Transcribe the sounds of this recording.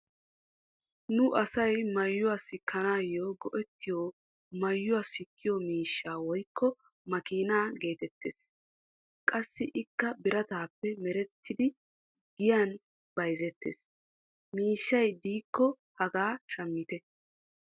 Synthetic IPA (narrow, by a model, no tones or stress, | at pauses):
nʊʔɐsɐjmɐjːʊwaːsɪkʰːɐnaːjːoːɡɔʔɛt̪ːɪjoː | mɐjːʊaːsɪkʰːɪjɔmiːʃːaːwɔjkːɔ | mɐkiːnaːɡe̞ːt̪ɛt̪ːḛːs | kʼɐsːɪʔɪkːɐbɪɾɐt̪aːpːɛmɛɾɛt̪ʰːɪd̪ɪ | ɡɪjɐn | b̥ɐjzɛt̪ːḛːs | miːʃːɐjd̪iːkːɔ | hɐɡaːʃɐmːɪt̪ɛ